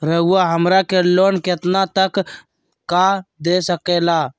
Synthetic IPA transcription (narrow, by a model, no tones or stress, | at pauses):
ɾəɦuaɦəmɾakeloːnkɪt̪nat̪ək | kːad̪esəkeːlaː